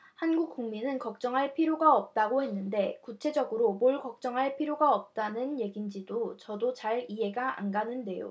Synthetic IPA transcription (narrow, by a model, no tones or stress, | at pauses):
hanɡuk̚k͈uŋminɯnkʌk̚t͡ɕ͈ʌŋɦaɭpʰiɾjoɡaʌp̚t͈aɡohe̞nːɯnde̞kut͡ɕʰe̞d͡ʑʌɡɯɾomoɭkʌk̚t͡ɕ͈ʌŋɦaɭpʰiɾjoɡaʌp̚t͈anɯnje̞ɡind͡ʑidot͡ɕʌdot͡ɕaɭiɦe̞ɡaʔa̰nɡanɯnde̞jo̰